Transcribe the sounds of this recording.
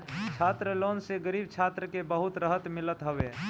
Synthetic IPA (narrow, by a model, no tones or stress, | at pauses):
t͡ʃʰaːt̪ɾəloːnseɡəɾiːbt͡ʃʰaːt̪ɾəkebəɦʊt̪ɾəɦət̪mɪlət̪ɦəʋe